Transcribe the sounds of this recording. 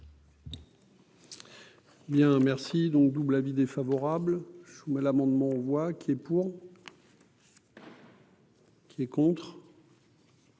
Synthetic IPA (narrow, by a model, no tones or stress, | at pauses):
bjɛ̃mɛʁsid̪ɔ̃k̚d̪ublavid̪efavɔʁablʒumɛlamɑ̃d̪mɑ̃ɑvwakʰʲiɛpuʁ | kʲʰiɛkɔ̃t̪χ